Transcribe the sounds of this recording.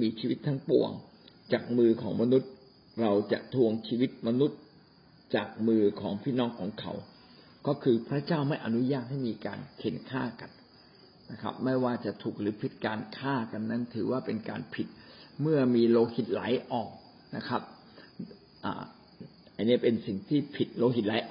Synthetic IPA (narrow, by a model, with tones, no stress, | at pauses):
miː˧t͡ɕʰiː˧wi˦˥t̪ʰːa˦˥ŋpṵ˨˩əŋ | t͡ɕaː˨˩k̚mɯː˧kʰɔː˩˦ŋma˧nu˦˥t̪̚ | ɾa˧wt͡ɕa̰˨˩ʔt̪ʰu˧əŋt͡ɕʰiː˧wi˦˥t̪̚ma˧nu˦˥t̪̚ | t͡ɕaː˨˩k̚mɯː˧kʰɔː˩˦ŋpʰiː˥˩nɔː˦˥ŋkʰɔː˩˦ŋkʰa̰˨˦w | kɔː˥˩kʰɯː˧pʰɾa˦˥t͡ɕaː˥˩wma˥˩jʔa˧nu˦˥jaː˥˩t̪̚ha˥˩miː˧ka̰ː˧nkʰe˩˦nkʰaː˥˩ka˧n | na˦˥kʰa̰˦˥p̚ma˥˩jwaː˥˩t͡ɕa˨˩ʔt̪ʰuː˨˩k̚ɾɯː˩˦pʰi˨˩t̪̚kaː˧nkʰaː˥˩ka˧nːa˦˥nt̪ʰɯː˩˦waː˥˩pe˧nka̰ː˧npʰi˨˩t̪̚mɯ˥˩ɐmiː˧loː˧khi˨˩t̪̚laː˩˦jʔɔː˨˩k̚ | na̰˦˥kʰa˦˥p̚ | ʔa̰ː˨˩ | ʔa˧nːi˦˥ɐ˨˩pe˧nsi˨˩ŋt̪ʰiː˥˩pʰi˨˩t̪̚loː˧ɦi˨˩t̪̚laː˨˩˦jʔɔ˨˩